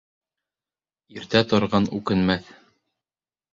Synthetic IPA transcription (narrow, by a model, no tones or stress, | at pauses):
iɾt̪æt̪ŏɾʁɑnʉkɘ̆nmæθ